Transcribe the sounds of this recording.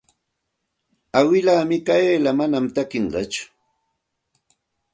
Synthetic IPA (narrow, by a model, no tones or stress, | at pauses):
awɪlaːmɪkaeːlamanamt̪akɪɴɢɑ̰t͡ʃʊ̥